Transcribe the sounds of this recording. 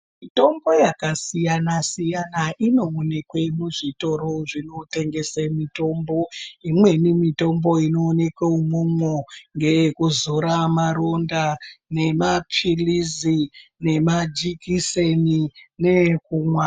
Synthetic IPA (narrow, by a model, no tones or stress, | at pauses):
mito̞mbo̞jakasijanasijanaʔino̞ːne̞kwe̞muʐito̞ɾo̞ʐino̞te̞ŋɡe̞semito̞mbo̞imwe̞nimito̞mbo̞ino̞ːne̞kweumomwoŋɡe̞kuzoɾamaɾo̞ndane̞mapʰilizine̞mad͡ʒikisenine̞kumwa